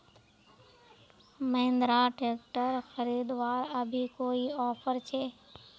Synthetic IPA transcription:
məɪ̃nd̪ɾaːʈeːkʈəɾxəɾiːd̪ʋaːɾəbʱikoːiɔːpʰəɾt͡ʃʰeː

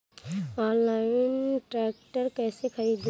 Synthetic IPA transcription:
ɔ̃ːnlaɪnʈɾɛːkʈəɾkɛːsekʰəɾiːd̪

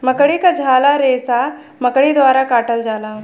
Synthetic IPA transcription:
məkɽikad͡ʒʱaːlaɾeːsa | məkɽid̪ʋaːɾakaːʈəld͡ʒaːlaː

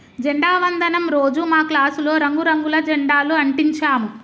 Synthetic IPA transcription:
d͡ʒeɳɖaːʋɐnd̪ɐnɐmɾoːd͡ʒumaːklaːsulo̞ːɾɐŋɡuɾɐŋɡulɐd͡ʒɛɳɖaːluɐɳʈiɲt͡ʃaːmu

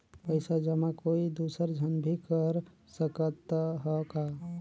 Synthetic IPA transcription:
pəɪsad͡ʒəmãkoid̪usəɾd͡ʒʱənbʱikəɾ | səkət̪ɦɔka

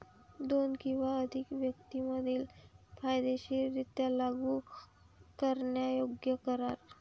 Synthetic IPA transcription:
d̪onkĩw̃ʋaəd̪ʱikʋjəkt̪iməd̪ʱiːlfʰajd̪eɕiːɾit̪jalaɡu | kəɾɳjajoɡjəkəɾaɾ

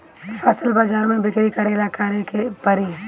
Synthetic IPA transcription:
fʰɐsəlbaːzaːɾmẽbɪkɾikɐɾelakaːɾekepɐɾĩ

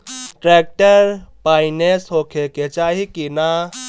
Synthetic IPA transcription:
ʈɾek̚ʈəɾpaɪnesɦokʰeket͡ʃaɦikina

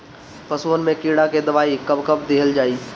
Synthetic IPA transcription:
pɐsuənɪ̆mẽkiːɽãked̪ɐʋaːikɐbkɐbd̪eɦəld͡ʒaːiː

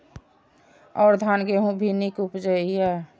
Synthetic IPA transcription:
ɔːɾd̪ʱanɡeɦũbʱinikupd͡ʒəijɛ

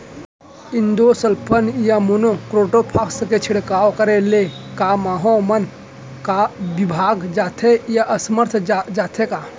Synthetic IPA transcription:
ind̪osəlpʰənjamonokɾoʈopʰaksket͡ʃʰiɽkawkəɾelekamaɦõmən | kabibʱaːɡd͡ʒaːt̪ʰejaʔəsəməɾt̪ʰd͡ʒat̪ʰeka

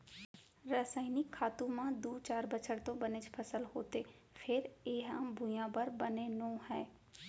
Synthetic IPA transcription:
ɾəsaːinɪkʰːaːt̪ũmãd̪uːt͡ʃaːɾbət͡ʃʰəɽt̪õbəned͡ʒpʰəsəlɦoːt̪eː | pʰɪɾeːɦã̰bʱʊjãbəɾbənenõːhɛː

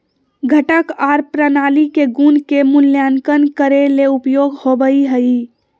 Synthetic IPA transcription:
ɡʱəʈəkaɾpɾənaːlikeɡunkemʊljankənkəɾeleupjoɡhobəiɦəi

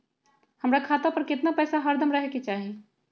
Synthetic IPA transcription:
həmɾakʰaːt̪apəɾkɪt̪napɛːsaɦəɾd̪ʱəmɾəɦeket͡ʃaːɦie

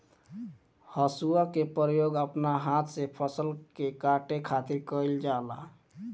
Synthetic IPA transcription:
həsuakepəɾjoɡəpnaɦat̪ʰsepʰəsəlkekaʈekʰat̪iɾkəld͡ʒala̰

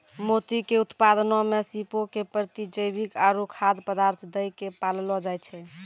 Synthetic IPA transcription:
mot̪ikeut̪pad̪nɔmesipokepɾət̪id͡ʒəjbikaɾukʰad̪pəd̪aɾt̪ʰd̪əjkepallɔd͡ʒajt͡ʃʰɛ

